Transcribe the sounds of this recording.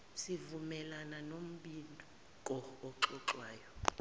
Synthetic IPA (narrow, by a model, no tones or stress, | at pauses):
sivumɛlananom̩ɓindʱɔ | kʼɔːǁɔǁwaːjɔ